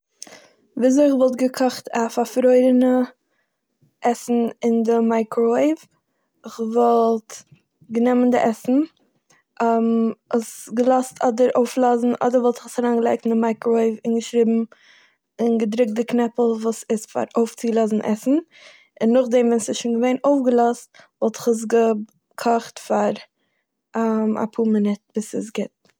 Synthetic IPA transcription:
viːz̬oɪχvɔlˠtɡəkʰɔχtʰafaɾfɾɔɪɾənə | ʔɛsn̩ɪndɪmaɪkʰɾɔɪv | ɪχvɔlˠt | ɡənɛməndɪʔɛsn̩ | ʔməsɡəlˠɔstʰɔdəɾoʊflˠɔzn̩ʔɔ̰dəɾvɔlˠtɪ̥χsaɾaːnɡəlˠaɪk̚tɪn̩dɪmaɪkɾoɪvɪnɡəʃɾɪːbm̩ | ɪnɡədɾʊk̚t̚dɪknɛpl̩ˠvuːsɪstfa̰ɾoʊft͡sɪɡlˠɔzn̩ʔɛ̰sn̩ | ɪnːʊχdɛmvɛnsɪsʃuːnɡəveɪnoʊfɡəlˠɔst̚vɔlˠtɪ̥χəs̬ɡə | kʰɔχtfaɾ | ama̰pʰuːmənɛt̚b̥ɪsɪs̬ɡɪt̚

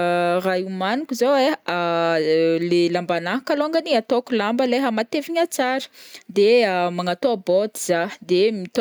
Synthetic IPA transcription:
rajumanikuzoea | lelambanaɦkaloŋɡəniat̪okulambəleɦamat̪eviɲat͡saɾə̥d̪eəmaŋat̪oabod̪iz̥ad̪emit̪

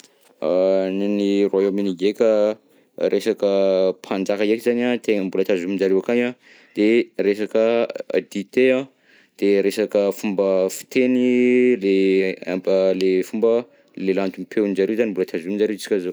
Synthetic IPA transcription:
aninirwaeaminiɡekʲə | ɾʔesakəpʰand͡ʒakaekizanat̪eŋəmbulət̪azumind͡ʒaɾewakajã | d̪̥eɾesakəa̰d̪it̪ea | d̪̥eɾesakəfumbəfi̥t̪enilea̰əlefumbə | lelant̪umpʰewnid͡ʒaɾewzanimbulət̪azumind͡ʒaɾeit͡si̥kʲazo

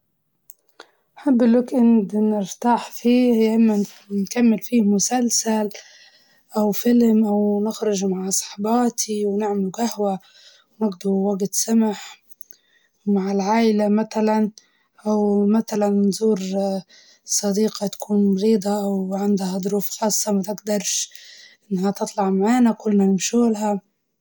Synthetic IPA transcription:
nħɪbːlʊkʔɪnd̪nɪɾt̪aːħfiːhjaʔɪmːa | nkamːɪlfiːmʊsalsal | ʔawfɪlmʔawnɪxɾʊʒmaʕsˤɑ̥ħbɑːt̪ʰiwnɪʕmɪluɡahwa | wnɪɡd̪uwaɡt̪samaħ | wmaʕɪlʕaːʔɪlamaθalan | ʔawmaθalanːzuːɾ | sˤɑd̪iːqɑt̪ḁkʰuːnmɑɾiːd̪ˤɑʔawʕɪnd̪had̪ˤʊɾuːfxɑːsˤːɑmat̪ɪɡd̪ɑɾˤʃʔɪnːhat̪ɨt̪ˤlɑʕmaʕaːnakʊlːnanɪmʃuːlɦa

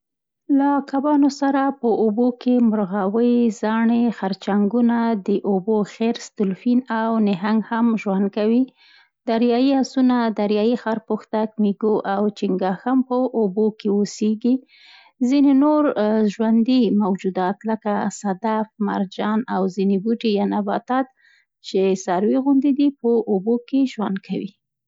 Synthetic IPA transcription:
lakabɑnosaɾapəʔobokʰemʊɾɣawəjzɑɳexaɾt͡ʃaŋɡunad̪əʔoboxeɾst̪ʊlfinawnɪɦaŋɡhamʒwand̪̚kawi | d̪aɾjɑjihasunad̪aɾjɑjixɑɾpoxt̪akmiɡoʔawt͡ʃiŋɡɑxampəʔobokeoseɡi | zinenoɾʒwand̪imawd͡ʒud̪ɑt̪ləkasad̪afma̰ɾd͡ʒɑnawzinebuʈejɑnabɑt̪ɑt̪̚ | t͡ʃesaɾweɣʊnd̪id̪ipəʔobokeʒwa̰nd̪̚kʰawḭ

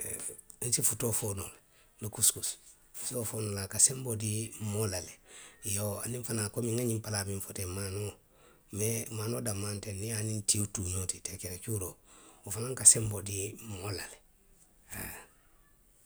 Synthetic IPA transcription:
n̩sifutofoːnola | lukuskus | futofoːnolakasɛmbodimolalɛjoa̰nĩɱfanakomĩŋaɲĩmpalamĩɱfotɛmaːno | mɛmaːnoːdamãntɛnijanĩntiotumetitɛkɛɾekuɾoofanãŋkasɛmbodimoolalɛ

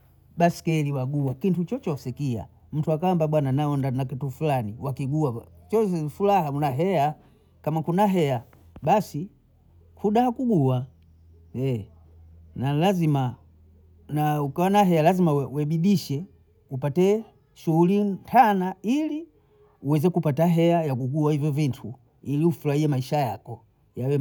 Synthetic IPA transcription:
basi̥kɛliwaɡuwakintut͡ʃɔt͡ʃɔsɛkia̰ | m̩tuakaambaɓwananaɔndanakitufulaniwakiɡuat͡ʃɔsɛfulaɦaunaɦɛa | kamakunaɦɛja | basi | kʰuɗahakuɡua | jɛ | nalazima | naukawanaɦɛalazimawɛɓiɗiʃɛ | upatɛ | ʃuhulintʰanaili | uwɛzɛkupataɦɛajakuɡuahivjɔvintʰu | iliufulaiɛmaiʃajakɔ | jawɛ

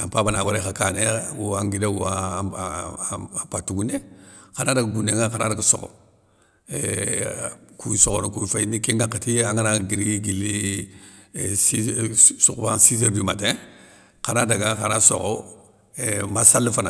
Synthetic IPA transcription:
a̰pabanawaɾekakanewuaŋɡidewuwa | patuɡunekanadaɡaɡuneŋakanadaɡaso̰ko̰ | e | kuisoɡonukufanikiŋɡakatiaŋanaɡiɾɡiɡili | isṵkbasis̬eɾdimate | kanadaɡakanaso̰ɣo | emasalːifana

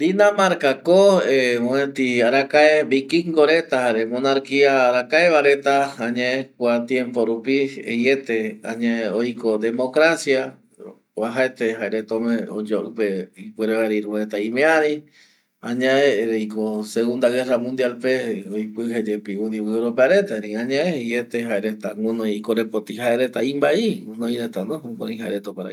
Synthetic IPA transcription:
d̪inãmaɾkakoemõet̪iaɾakaebikiŋɡoɾet̪ahaeɾemõnaɾkiaɾakaeβaɾe̞t̪aãɲẽẽk̚ʷat̪jẽ̞mpoɾupiḛjet̪eã̰ɲãeojkod̪e̞mokɾasja | aɦaet̪eɦaeɾet̪õmẽod͡ʒoʔɨpeipeɾeβaɾiɾuet̪aĩmẽaɾĩ | ãɲãẽɾejkoseɣund̪aɣeramũnd̪jalpeojpɨɦed͡ʒepiũd̪iwɨɾopeaɾet̪aɾĩãɲãeejet̪eɦaeɾet̪aŋũnõikoɾepot̪iɦaeɾet̪aĩmbaiŋũnõiɾet̪anoũko̰ĩɦaeɾet̪opaɾa̰

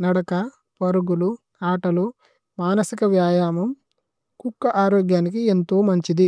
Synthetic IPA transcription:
nɐɽɐkɐ | pɐɾuɡulu | aːʈɐlu | maːnɐsikɐʋjaːjaːmɐm | kukːɐʔaːɾoːɡjaːnik̬ient̪o̞ːmɐɲt͡ʃid̪i

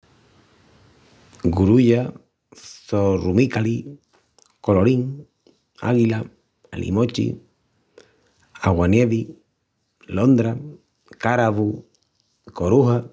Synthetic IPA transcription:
ɡuɾuʝa | sorumikali | koloɾiŋ | a̰ɣila | alʔḭmot͡ʃḭ | a̰ɣwaneβi | lond̪ɾa | kaɾaβu | koɾuha

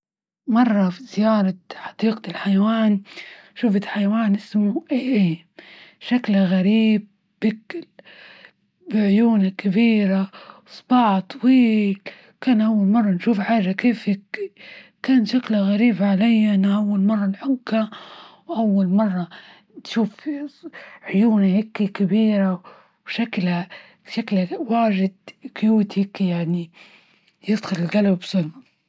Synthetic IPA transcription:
mɑrˤːɑfizɪjɑːɾˤɑħɑ̥d̪̥iːqlħajawaːnʃuːfɪħajawaːnʔɪsmuʔeːʔeː | ʃaklaɣaɾiːb̚ | bɪk | bɪʕʊjuːnakabiːɾa | sˤbɑːʕt̪ˤɑwiːl | kaːnʔawːalmɑrˤːɑnʃuːfʕaːʒakeːfi | kaːnʃaklaɣaɾiːbʕalajːaʔnaʔawːalmɑrˤːɑnħʊkːawʔawːalmɑrˤːɑ | nʃuːf | ʕʊjuːnahɪkːikabiːɾa | bʃakla | ʃaklawaːʒɪd̪̚kʊjuːt̪hɪkjaʕni | jɪd̪xʊlɪlɣalwbsʊlma

